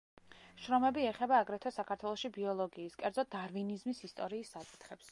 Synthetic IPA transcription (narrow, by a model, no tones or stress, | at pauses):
ʃɾɔmɛbiɛχɛbaːɡɾɛt̪ʰɔsakʰaɾt̪ʰwɛlˠɔʃibiɔlˠɔɡiːskʼɛɾd̪zɔd̪̥aɾvinizmisist̪ʼɔɾiːsːakʼi̥t̪ʰχɛps